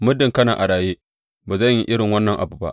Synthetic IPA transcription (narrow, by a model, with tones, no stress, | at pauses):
mʊ˦dɪ˨ŋkɐ˦naː˨ʔa˨ɽaː˨jeː˦ | baː˨zɐ˦˨ɲji˦ʔɪ˦ɽɪ˨ŋwɐ˦nːɐ˨ŋʔa̰˨buː˨ba̰˦ʔ